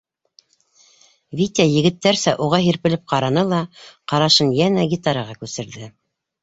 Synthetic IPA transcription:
vʲit̪ʲajɘ̆ɡɘ̆t̪ːæɾsæʔuʁɑɦiɾpɘ̆lɘp̚qɑɾɑnɤlˠɑqɑɾɑʃɤnjænæɡʲit̪ɑɾɑʁɑkʉsɘ̆ɾðɘ

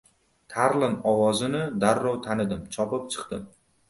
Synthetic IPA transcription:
t̪ʰaɾlɪnɒwɒzɪnɪd̪aɾːɒwt̪ʰanɪd̪ɪmt͡ʃʰɒpɪp̚t͡ʃʰɨ̥qt̪ɪm

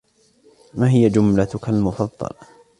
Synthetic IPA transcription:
maːɦɪjad͡ʒʊmlat̪ʊkalmʊfɑðˤːɑ̰l

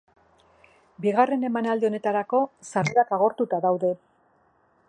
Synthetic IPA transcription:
biɣare̞ne̞manald̪eo̞ne̞t̪aɾako̞saɾeakaɣ̞o̞ɾt̪ut̪aðawðe̞

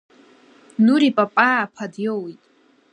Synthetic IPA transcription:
nuɾipʼapʼaːpʰadjowjtʼ

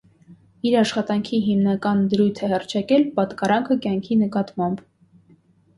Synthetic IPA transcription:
iɾɑʃχɑt̪ɑŋkʰiɦimnɑkɑnd̪əɾujt̪ʰɛhɑrt͡ʃʰɑkɛlpɑt̪kɑɾɑŋkʰəkjɑŋkʰinəkɑt̪mɑmb

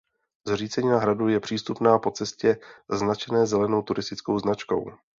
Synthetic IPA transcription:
zr̝iːt͡sɛɲiːnaɦɾadujɛpr̝̥iːst̪upnaːpo̞t͡sɛscɛznat͡ʃɛnɛːzɛlɛno̞wt̪uɾɪst̪ɪt͡skowznat͡ʃko̞̰w

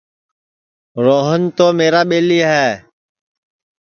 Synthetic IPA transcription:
ɾoːɦənt̪oːmeːɾaːɓeːliːɦɛː

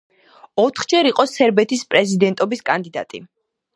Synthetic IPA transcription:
ɔt̪ʰχd͡ʒɛɾiqʼɔsɛɾbɛt̪ʰispʼɾɛzid̪ɛnt̪ʼɔbiskʼand̪id̪a̰t̪ʼḭ

